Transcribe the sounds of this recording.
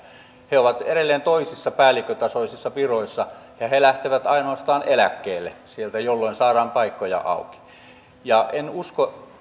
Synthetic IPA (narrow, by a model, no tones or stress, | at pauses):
heoʋɑt̪eɾelːeːnt̪oisisːɑpæːlːˑikːøt̪ɑsoisisːɑpiroisːɑ | jɑhelæht̪eʋæt̪ɑinoɑst̪ɑːnelækːeːlːesielt̪æjolːoinsɑːrɑːmpɑikːojɑ̰ʔɑ̰uki̥ | jɑʔenusko